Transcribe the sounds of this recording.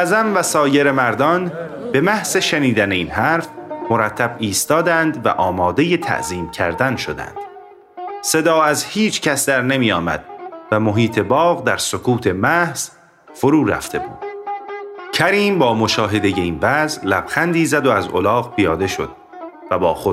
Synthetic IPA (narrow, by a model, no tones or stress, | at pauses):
ʔæzæmvæsɒːje̞ɾe̞mæɾd̪ɒn | be̞mæhz̥e̞ʃeniːd̪æne̞iːnɦæːɾfmoɾæt̪ʰːæbiːst̪ɒːd̪ænd̪væ̰ʔɒːmɒːd̪e̞je̞t̪ʰæ̰ʔziːmcʰæ̰ɾd̪ænʃod̪æ̰nd̪̥ | se̞d̪ɒːæzhiːt͡ʃʰcʰæsd̪æɾne̞miːjɒːmæ̰d̪̥̚væmo̞ɦiːt̪ʰe̞bɒːɣd̪æɾsokʰuːt̪ʰe̞mæhz̥ | foɾuːɾæ̰ft̪ʰe̞bṵːd̪̥ | cʰæɾiːmbɒːmo̞ʃɒːɦe̞d̪e̞je̞iːnvæzlæb̥xænd̪iːzæd̪oæzo̰lɒːɣpʰijɒːd̪e̞ʃo̞̰d̪̥̚ | væbɒːxo